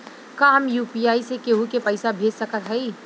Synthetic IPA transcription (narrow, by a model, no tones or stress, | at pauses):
kaɦəmjuːpijaːisekeɦukepəɪsabʱeːd͡ʒsəkət̪ɦɛi